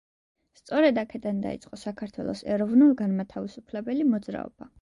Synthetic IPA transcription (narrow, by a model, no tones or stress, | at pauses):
st̪sʼɔɾɛd̪akʰɛd̪and̪a̰ḭt̪sʼqʼɔsakʰaɾt̪ʰwɛ̰lˠɔsɛɾɔvnulˠɡanmat̪ʰavisupʰlɛbɛlimɔd̪zɾa̰ɔ̰b̥a